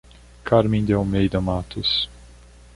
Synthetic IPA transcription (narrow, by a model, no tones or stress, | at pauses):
kʰaɾmĩnd̪eomejd̪ɐmat̪us